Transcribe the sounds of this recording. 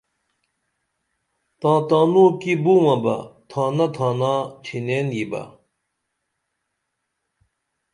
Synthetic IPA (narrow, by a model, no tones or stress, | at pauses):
t̪ɑŋt̪ɑnokibuwapa̰t̪ʰɑnat̪ʰɑnɑt͡ɕʰenɛnjipa̰